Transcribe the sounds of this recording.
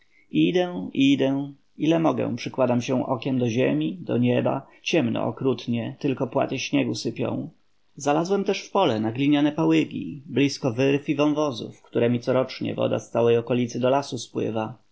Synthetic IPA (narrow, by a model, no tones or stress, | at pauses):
id̪ɛʔid̪ɛ | ilɛmɔɡɛ̰̃pʂɘkwad̪amɕɛʔɔkʲɛmd̪ɔʑemʲid̪ɔ̰ɲɛba̰ | t͡ɕɛmnɔ̰ɔkɾut̪ɲɛt̪ɘlkɔpwa̰t̪ɘɕɲɛɡusɘpʲjɔ̰̃w̃ | zalazwɛmt̪ɛʂfpɔlɛnaɡlʲiɲanɛpawɘɡʲḭblʲiskɔvɘɾfivɔ̃nvɔzṵfkt̪uɾɛmʲit̪sɔɾɔt͡ʂɲɛ̰vɔ̰d̪a̰st̪sawɛjɔkɔlʲit̪sɘd̪ɔlasuspwɘ̰va